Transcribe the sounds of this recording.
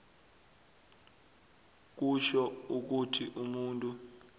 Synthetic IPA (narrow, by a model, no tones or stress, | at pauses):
k̬uʃɔuk̬utʰiʔumuntʼu